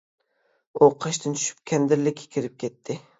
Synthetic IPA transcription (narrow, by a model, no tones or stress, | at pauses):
uqʰɑʃt̪ʰɪnt͡ʃ̪ʰy̥ʃy̥p̚kʲʰɛnd̪ɪɾlɪkʲʰːe̥kʲʰiɾɪp̚kʲʰɛt̪ʰːɪ